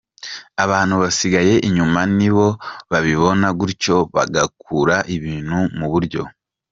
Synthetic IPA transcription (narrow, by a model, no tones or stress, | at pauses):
aβaːn̥huβasiɡaje̞ʔiɲumaniβo̞βaβiβo̞naɡuɾco̞βa̰ɡakʰuɾaʔiβiːn̥humuβuɾɟo̞̰